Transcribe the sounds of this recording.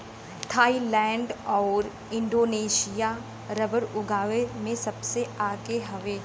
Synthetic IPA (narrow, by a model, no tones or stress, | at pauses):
t̪ʰaːilɛ̃ːɳɖɔːɾ | ɪ̃ɳɖoːneːʃija | ɾɐbəɾʊɡaːʋemẽsɐbseaːkeɦɐʋeː